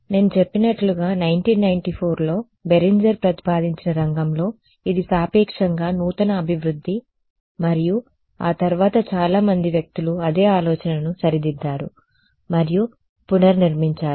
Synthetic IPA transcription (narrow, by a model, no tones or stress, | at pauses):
ne̞ːnut͡ʃepːinɐʈluɡaːnɐjɳʈiːnːɐjɳʈipʰoːɾlo̞ː | beɾiɲd͡ʒɐɾpɾɐt̪i̥paːd̪iɲt͡ʃinɐɾɐŋɡɐmlo̞ː | id̪isaːpiːkʂɐŋɡaːnuːt̪ɐnɐːbʱiʋɾud̪ʱːi | mɐɾiju | a̰ːt̪ɐɾuʋaːt̪ɐt͡ʃaːlaːmɐnd̪iʋjɐk̚t̪uluɐd̪e̞ːaːlɔːt͡ʃɐnɐnusɐɾid̪id̪ːaːɾṵ | mɐɾiju | punɐɾniɾmiɲt͡ʃaːɾu